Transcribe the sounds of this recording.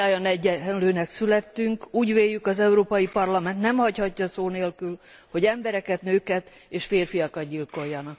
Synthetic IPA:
aːjɒnɛɟːɛnløːnɛksylɛt̪ːyŋkuːɟveːjːykɒzɛuɾoːpɒjipɒrlɒmɛnt̪nɛmhɒchɒcːɒsoːneːlkyl | ho̞ɟɛmbɛɾɛkɛt̪nøːkɛt̪ | eːʃfeːrfijɒkɒt̪̚ɟilko̞jːɒnɒk̚

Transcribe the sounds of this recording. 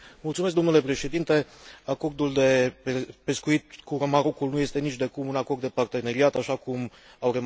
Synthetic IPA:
mult̪sumeskd̪o̞mnule̞pɾe̞ʃe̞d̪int̪e̞ako̞rd̪uld̪e̞pe̞skuit̪̚kuɾomaɾokulnuje̞st̪e̞nit͡ʃd̪e̞kumunako̞rd̪d̪e̞part̪e̞ne̞ɾiat̪aʃakum | awre

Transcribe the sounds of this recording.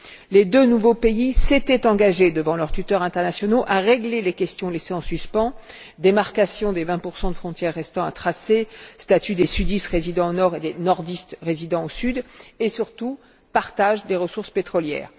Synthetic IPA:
led̪ønuvopeiset̪ɛt̪ɑ̃ɡaʒed̪əvɑ̃lœʁt̪yt̪œʁɛ̃t̪ɛʁnasjɔnoʔaʁeɡlelekʲɛst̪jɔ̃leseɑ̃syspɑ̃ | d̪emaʁkasjɔ̃d̪evɛ̃puʁsɑ̃d̪əfχɔ̃t̪ʲjɛʁːɛst̪ɑ̃at̪χasest̪at̪yd̪esyd̪ist̪ʁezid̪ɑ̃onɔʁed̪enɔʁd̪ist̪ʁezid̪ɑ̃osyd̪esyʁt̪u | paʁt̪aʒd̪eʁəsuʁspet̪χɔljɛ̰ːʁ

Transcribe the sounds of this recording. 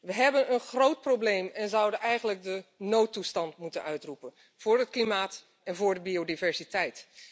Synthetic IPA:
ʋəɦɛbənənχrowt̚prowblejmɛnzʌwdənʔɛjχənlək̚dənowtːustɑntmutənʔœɥtrupən | v̥ʊːɹɦətklimaːt | ɛnvʊːɹdəbiowdivɛɹsitɛjt

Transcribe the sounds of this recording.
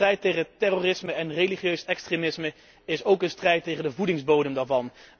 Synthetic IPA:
rɛjtejχətɛroːrɪsməɛnreliχjøɥsɛkstremɪsmə | ɪsowkənstrɛjtːejχəndəvudɪŋzbowdəmdaːɹvɑn

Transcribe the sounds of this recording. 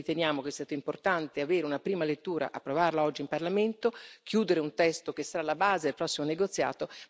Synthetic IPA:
it̪enjaːmokeɛst̪aːt̪oimport̪ant̪eaveːɾeunapɾiːmalet̪ːuːɾa̰ʔapːɾovarlaɔd͡ʒːimparlament̪ok̟ʰjuːd̪eɾeunt̪ɛst̪ok̟esːaɾaːlːabaːzed̪elpɾɔsːimoneɡot̪sːja̰ːt̪o

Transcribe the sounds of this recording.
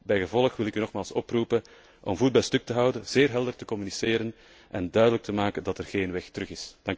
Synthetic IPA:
bɛjɣəvɔlˠəxʋɪlɪkynɔxmaːlˠsɔprupən | ʔɔmvuːd̚bɛlstɵk̚təɦɑwdənz̥eːrɦɛlˠdərtəkɔmyniseːɾən | ʔɛndœɥdələk̚tʰəmaːkəndɑtɛrɣeːnʋɛxtəɾɵxɪsd̥ɑŋk

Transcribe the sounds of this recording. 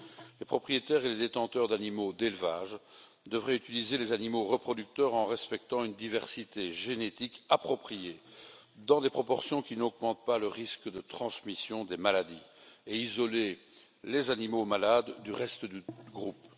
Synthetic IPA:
lepχɔpχijet̪ɛʁeled̪et̪ɑ̃t̪œʁd̪animod̪elvaʒ | d̪əvʁɛyt̪ilizelezanimoʁəpχɔd̪yk̚t̪œʁɑ̃ʁɛspɛk̚t̪ɑ̃ynd̪ivɛʁsit̪eʒenet̪ikapχɔpχijed̪ɑ̃d̪epχɔpɔʁsjɔ̃kʲinɔɡmɑ̃t̪̚paləʁiskd̪ət̪χɑ̃smisjɔ̃d̪emalad̪ieizɔle | lezanimomalad̪ːyʁɛst̪əd̪yɡʁup

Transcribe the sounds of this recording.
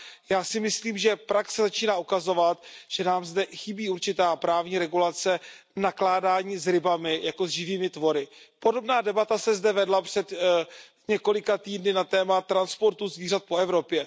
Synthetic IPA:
jaːsɪmɪsliːmʒɛpɾaksɛzat͡ʃiːnaːukazo̞vat̪ʒ̥ɛnaːmzdɛxɪbiːuɾt͡ʃɪt̪aːpɾaːvɲiːɾɛɡulat͡sɛnaklaːdaːɲiːzɾɪbamɪjako̞zʒɪviːmɪt̪vo̞ɾɪpo̞do̞bnaːdɛbat̪asɛzdɛvɛdlapr̝̥ɛd̪ | ɲɛko̞lɪkat̪iːdnɪnat̪ɛːmat̪ɾanspo̞ɾt̪uzviːrat̪̚po̞ɛvɾo̞pjɛ

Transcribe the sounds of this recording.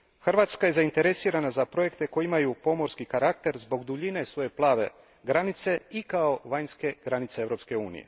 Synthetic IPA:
xr̩ʋaːt̪skaje̞zaint̪e̞ɾe̞siːɾanazapɾo̞je̞kt̪e̞ko̞jiimajupo̞mo̞ɾskikaɾak̚t̪e̞ɾzbo̞ɡd̪uʎine̞sʋo̞je̞plˠaːʋe̞ | ɡɾanit̪se̞ikao̞ʋajɲske̞ɡ̥ɾanit̪seeʋɾo̞pske̞uːnḭje̞̰

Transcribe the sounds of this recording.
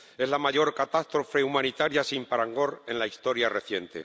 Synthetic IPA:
e̞zlamaʝo̞ɾkat̪ast̪ɾo̞fe̞umãnit̪aɾjasimpaɾaŋɡo̞ɾe̞nlaist̪o̞ɾjare̞θje̞nt̪e̞̰

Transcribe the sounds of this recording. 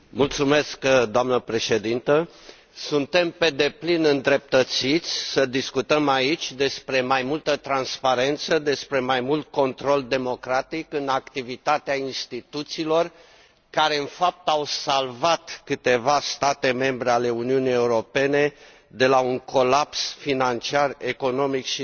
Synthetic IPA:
mult̪sume̞skd̪oamnəpɾe̞ʃe̞d̪int̪ə | sunt̪e̞mpe̞d̪e̞plinɨnd̪ɾe̞p̚t̪ət̪sit̪sʲsəd̪iskut̪əmait͡ʃʲd̪e̞spɾe̞majmult̪ət̪ɾanspaɾe̞nt̪səd̪e̞spɾe̞majmult̪̚ko̞nt̪ɾo̞ld̪e̞mo̞kɾat̪ikɨnakt̪ivit̪at̪eainst̪it̪ut̪siːlo̞r | kaɾe̞ɨnfap̚t̪awsalvat̪kɨt̪e̞vast̪at̪e̞me̞mbɾe̞ale̞uniunije̞uɾo̞pe̞ne̞ | d̪e̞lauŋko̞lapsfinant͡ʃiare̞ko̞no̞mikʃi

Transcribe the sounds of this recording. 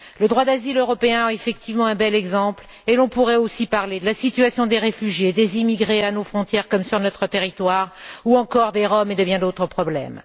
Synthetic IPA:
ləd̪ʁwad̪aziløʁɔpeɛ̃aefɛk̚t̪ivmɑ̃ɛ̃bɛlɛɡzɑ̃pl | elɔ̃puʁɛosipaʁled̪əlasit̪yɥasjɔ̃d̪eʁefyʒjed̪ezimiɡʁeanofχɔ̃t̪jɛʁkɔmsyʁnɔt̪χət̪eʁit̪waʁuɑ̃kɔʁd̪eʁɔmed̪əbjɛ̃d̪ot̪χəpχɔblɛ̰m

